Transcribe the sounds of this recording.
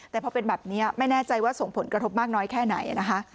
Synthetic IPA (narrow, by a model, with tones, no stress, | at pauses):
t̪ɛː˨˩pʰɔ˧pe˧nbɛː˨˩p̚ni˦˥ɐma˥˩jnɛː˥˩t͡ɕa˧jwaː˥˩so˨˩ŋpʰo˩˦nkɾʰo˦˥p̚maː˥˩k̚nɔː˦˥jkʰɛː˥˩na˩˦jʔa˨˩na˦˥kʰa˦˥ʔ